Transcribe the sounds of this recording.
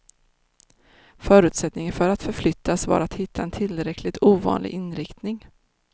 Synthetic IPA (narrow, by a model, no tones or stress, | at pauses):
fœːɾʉ̟ːt̪sɛt̪nɪŋənfœɾat̪fœɾflʏt̪ʰːasva̰ɾat̪hɪt̪ʰːaɛnt̪ʰɪlːɾɛkʰlɪɡt̪ʰuːvɑ̰ːnlʔɪ̰ɡʔɪnɾɪkt̪nɪŋ